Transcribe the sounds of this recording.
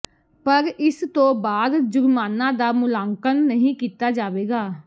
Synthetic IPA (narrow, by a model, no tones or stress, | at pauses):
pəɾɪst̪õːbaːd̪d͡ʒʊɾmaːnãːd̪aːmʊlaːŋkənːəɦĩːkiːt̪aːd͡ʒaːʋeːɡaː